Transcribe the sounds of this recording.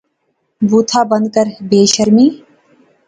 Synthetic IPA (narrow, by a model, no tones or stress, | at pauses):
buːt̪ʰaːbə̃nd̪̚kəɾbeːʃəɾmiː